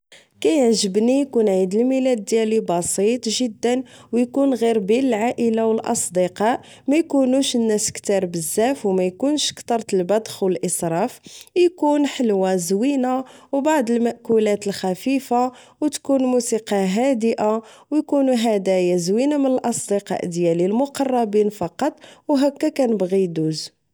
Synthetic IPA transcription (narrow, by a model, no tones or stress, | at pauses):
kæjəʕʒəbnijkunʕid̪əlmilæd̪ːjælibɑsit̪ˤʒəd̪ːənwjkunɣiɾbiləlʕaʔəlawəlʔɑ̰sˤd̪əqɑʔ | mæjkunuʃənːæskt̪ɑɾˤbəzːæfwmæjkunʃkt̪ˤɑɾˤt̪əlbæd̪ˤxwəlʔəsɾˤɑfjkunħəlwazwinawbaʕd̪ˤəlmæʔkulæt̪əlxæfifa | wt̪kunmusiqɑɦæd̪əʔawjkunuɦæd̪æjazwinamənəlʔɑsˤd̪iqɑ̰ʔd̪jælilmʊqɑrˤːɑbinfɑqɑt̪ˤwɦækːækænəbɣid̪uz